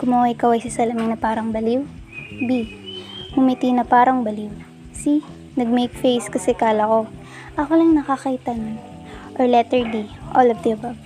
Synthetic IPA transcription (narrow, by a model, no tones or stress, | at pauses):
kʊmɐwaʔɪkawɐjsɐsɐlɐmɪŋnɐpaːɾɐŋbɐliw | bi | mʊmit̪inɐpaːɾɐŋbɐliw | si | nɐɡ̚mejkfejskɐsɛkaːlɐko̞ | ʔɐkolɐŋnɐkakɐʔɪt̪ann | ʔoɹlɛt̪ɛɹd̪iʔolovd̪iɐba